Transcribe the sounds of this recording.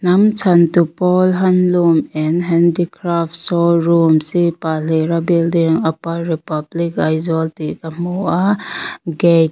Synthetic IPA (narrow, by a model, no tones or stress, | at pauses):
nɐmt͡ʃʰɐntupɔlɦɐnlumɛnɦɛndikɾaftsɔɾumsipaleɾabildiŋɐpaɾipɐblikajzɔltikamuʔa | ɡek̚